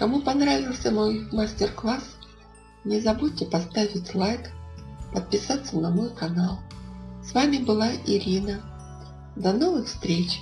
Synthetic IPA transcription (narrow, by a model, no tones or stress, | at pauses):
kɐmupɐnɾavʲɪlˠsʲəmojmasʲtʲɪrklˠas | nʲɪzɐbut̚ʲtʲɪpɐst̪avʲɪtʲlˠajkpət̪̚pʲɪsat̪sənɐmojkɐnalˠsvamʲɪbɨlˠaʔɪɾʲinə | d̪ɐnovɨxfst̪ɾʲet͡ɕ